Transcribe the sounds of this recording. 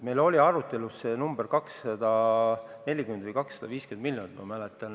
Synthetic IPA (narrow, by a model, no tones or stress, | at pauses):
me̞jlo̞lʲiɑɾut̪ːˑe̞lusːenumb̥eɾkɑksːɑd̪̥ɑne̞lʲːikymend̪vɨjkɑksːɑ̥d̪̥ɑviːskymend̪̚milʲːjonilomælet̪ːˑɑn